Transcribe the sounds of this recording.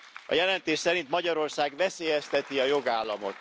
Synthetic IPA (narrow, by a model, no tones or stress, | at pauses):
ɒ̰jɛlɛnt̪eːʃsɛɾint̪mɒɟɒɾo̞rsaːɡvɛseːjɛst̪ɛt̪iɒjo̞ɡaːlːɒmo̞t̪